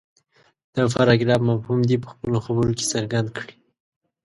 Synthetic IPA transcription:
d̪̥əfaɾɑɡɾɑbmafhumd̪ipə̥xpəloxabəɾoke̥səɾɡand̪̚kɽi

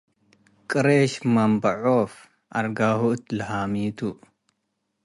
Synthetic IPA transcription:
kʼɨɾeʃmɐmbɐʕof | ʔɐɾɡahuɨt̪lɐhamit̪ʰu

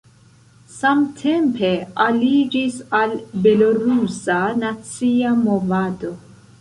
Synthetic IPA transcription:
samtʰe̞mpʰe̞alid͡ʒisalbe̞loɾusanat͡siamo̞vado̞

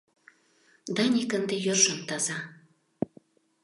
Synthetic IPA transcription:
d̪ɑnʲikə̆nd̪ejorʃə̆mt̪ɑzɑ

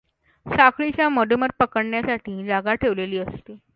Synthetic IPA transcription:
sakʰɭit͡ɕjaməd̪uməɾ̚pəkəɽɳjasaʈʰiːd͡zaɡaʈʰeʋleliːəst̪i

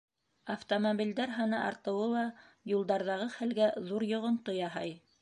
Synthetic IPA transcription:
ɐft̪omobʲild̪æɾɦɑnɤʔɑ̰ɾt̪ɤ̆wɤlˠɑ | julˠd̪ɑɾðɑʁɤχælɡæðuɾjŏʁŏnt̪ojɑɦɑj

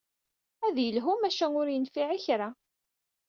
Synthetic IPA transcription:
æðjəlɦumæʃænʊɾjənfiʕiçɾa

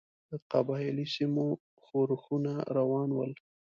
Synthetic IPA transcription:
d̪̥əqabɑɪlisimo | xoɾxunaɾawɑnwəl

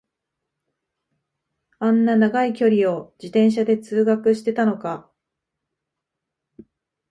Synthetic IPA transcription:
ãnːanaɡaikʲo̞ɾʲio̞d͡ʑit̪ẽ̞ɰ̃ɕ̬ad̪e̞t͡sɨːɡakɯ̟ɕi̥t̪e̞t̪ano̞ka

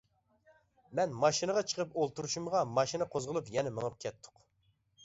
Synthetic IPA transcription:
mɛnmɑʃinɨʁɑt͡ʃʰə̥qʰəpolˠt̪uɾuʃumʁɑmɑʃinɨqʰozʁəlˠupjɛnɛməŋɨp̚kʲʰɛt̪ʰːʊ̥q

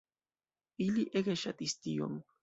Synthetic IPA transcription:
iliʔeɡeʃat̪ist̪ijo̰ŋ

